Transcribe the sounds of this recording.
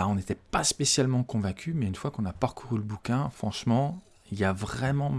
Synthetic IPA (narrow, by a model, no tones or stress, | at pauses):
aɔ̃net̪ɛpaspesjalmɑ̃kɔ̃vɛ̃kʲʰymɛynfwakɔ̃napaʁkuʁyləbukʲɛ̃fχɑ̃ʃmɑ̃ | iljavʁɛmɑ̃